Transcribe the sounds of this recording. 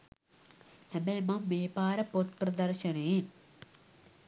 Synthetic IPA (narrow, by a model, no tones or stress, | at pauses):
hɐmeːmɐmːeːpaːɾɐpot̪̚pɾɐd̪ɐɾʃɐɳe